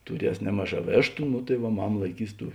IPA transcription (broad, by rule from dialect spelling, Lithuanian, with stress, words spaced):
tʊˈrʲiɛs ˈnʲæːmɐˌʒɑː ˈʋʲeːʃtʊ nʊ tɐɪ ˈʋɐ ˈmɑːmɐ lˠɐɪˈkʲiːs ˈtuː